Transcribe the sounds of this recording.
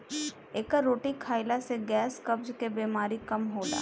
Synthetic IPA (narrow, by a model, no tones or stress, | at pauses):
eːkəɾoːʈikʰaːɪlaseɡɛːskɐbd͡ʒkebeːmaːɾikɐmɦoːla̰ː